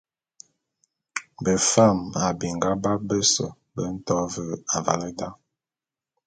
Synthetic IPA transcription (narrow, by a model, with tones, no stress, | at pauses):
bə˨fa˦˨ma˨bi˨ŋɡa˦ba˦bə˦sɔ̰˨ | bə˨˦n̩˦tɔ˦və˦˨a˨va̰˨lə˦da˦